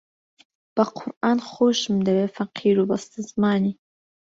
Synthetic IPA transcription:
b̥aqʰʊrʔaːnχʷoːʃmdawefaqʰiːɾubastʰɨzmaːni

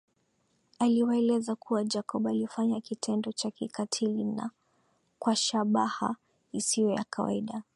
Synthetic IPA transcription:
aliwaɛlɛzakuwad͡ʒakɔɓalifaɲakitʰɛndɔt͡ʃakikatʰilina̰ | kwaʃaɓaha̰ | isijɔja̰kʰawa̰iɗa

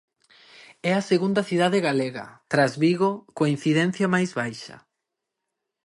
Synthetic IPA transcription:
ɛɐseɣund̪ɐθiðaðeɣaleɣɐ̰t̪ɾazβiɣokain̟θiðɛn̟θjɐmajzβajʃɐ̰

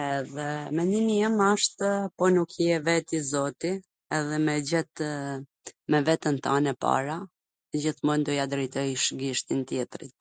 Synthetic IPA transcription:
ɛðɛmɛnd̪imiəmaʃt̪əpɔnukjɛvɛt̪izɔt̪i | ɛðɛmɛd͡ʑɛt̪ | mɛvɛt̪ənt̪anɛpa̰ɾa | d͡ʑiθmɔnd̪ɔjad̪ɾɛjt̪ɔjʃɡiʃt̪int̪jɛt̪ɾḭt̪̚

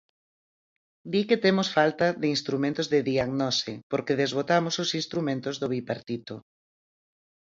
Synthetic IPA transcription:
d̪iket̪emosfalt̪aðeinst̪ɾumẽnt̪ozðɪðiaɣnɔsɪpoɾkeðezβot̪amososinst̪ɾumẽnt̪ozðoβipaɾt̪it̪o

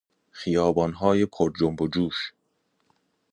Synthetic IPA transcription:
xijɒːbɒːnɦɒːje̞kʰoɾd͡ʒombod͡ʒuːʃ

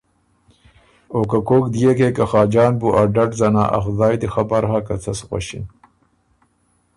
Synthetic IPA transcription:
oːkakoːkd̪ijekekaxɑːd͡ʒɑːnbuʔaɖaʈzana̰ːʔa̰xzɑːjd̪ixabaɾhakat͡sʰɐsɣwa̰ɕḭn

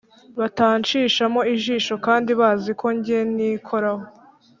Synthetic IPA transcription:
βataːɲt͡ʃiːʃamo̞iʒiːʃo̞kaːndiβaːzikʰo̞ɲɟieniːkʰo̞ɾaho

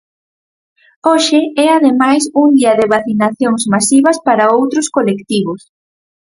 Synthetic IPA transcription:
oʃɪɛaðemajsuŋd̪iɐðeβaθinaθjoŋzmasiβɐspaɾaowt̪ɾʊskolekt̪iβʊs

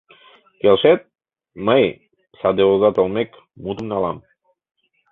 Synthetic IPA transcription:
kelʃet̪̚ | məj | sɑd̪eozɑt̪olmek | mut̪əmnɑlɑm

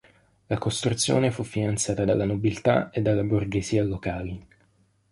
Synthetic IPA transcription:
lakost̪ɾut̪sːjo̰ːnefufːinant̪sjaːt̪ad̪alːanobilt̪a̰ed̪ːalːaburɡeziːalokaːli

